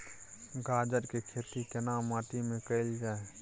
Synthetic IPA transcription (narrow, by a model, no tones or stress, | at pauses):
ɡaːd͡ʒəɾkekʰeːt̪ikenaːmːaːʈ̪imẽkəɪld͡ʒaːe